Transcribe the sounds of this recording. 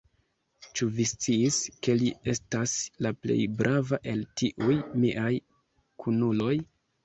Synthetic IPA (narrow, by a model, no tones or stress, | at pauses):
t͡ʃuvist͡siːske̞lie̞staslaple̞̰jbɾʔavaʔe̞ltiʔujmiʔaj | kʰunulo̞j